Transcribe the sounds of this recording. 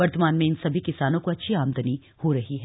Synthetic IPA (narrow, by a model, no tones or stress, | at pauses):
ʋɐɾt̪əmaːnmẽɪnsɐbʱikɪsaːnõkoɐtːʃʰiaːmd̪əni | hoɾɐɦiɦɛː